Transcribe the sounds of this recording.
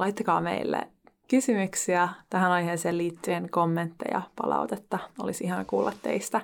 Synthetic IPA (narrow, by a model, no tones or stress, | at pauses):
lɑjt̪ːɑkɑːmḛilːḛ | kysymyksiæt̪æɦænɑjɦeːseːlliːt̪ːyenkomːent̪ːḛjɑ̰pɑ̰lʔɑ̰ut̪et̪ːɑo̞lisiɦɑnɑkuːlːɑt̪ːeist̪æ